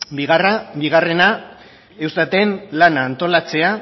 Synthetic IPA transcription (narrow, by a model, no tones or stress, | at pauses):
biɣ̞arabiɣ̞are̞na | ewst̪at̪e̞nlanaːnt̪o̞lat͡se̞a